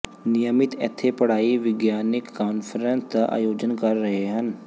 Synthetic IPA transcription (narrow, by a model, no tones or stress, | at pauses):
nɪjəmɪt̪ɛ̰t̪ʰːepəɽ̤aːiʋɪɡjaːnɪkːaːnfɾə̃nt̪ʔa̰ːjoːd͡ʒənkəɾːəɦeɦən